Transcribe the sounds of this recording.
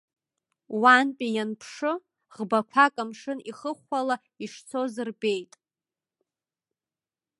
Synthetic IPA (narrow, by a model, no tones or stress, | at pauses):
wanpʼijanpʰʂɨ | ʁbakʷʰakʼamʂɨniχəχʷala | iʂt͡sʰozɨrbe̞jtʼ